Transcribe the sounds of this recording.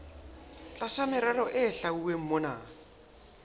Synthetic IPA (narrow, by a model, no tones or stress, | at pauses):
t͡ɬʼaʃamɪɾɛlɔʔɪɬauwem̩mɔna̰ː